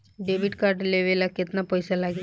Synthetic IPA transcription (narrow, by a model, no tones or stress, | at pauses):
ɖeʋiɖkaɾɖleʋelaket̪napɔjsalaɡi